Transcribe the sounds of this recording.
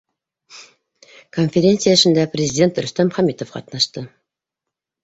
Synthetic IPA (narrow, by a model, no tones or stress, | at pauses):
konfʲeɾʲe̞nt̪sɨjaəə̆ʃɘ̆nd̪æprʲɪzʲɪdʲe̞nt̪ɾɵ̆st̪æmχæmit̪ofqɑ̰t̪nɑʃt̪ɤ